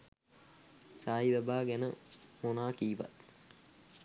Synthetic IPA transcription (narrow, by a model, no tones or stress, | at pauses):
saːiʋæbaːɡænəmonaːkiːʋa̰t̪̚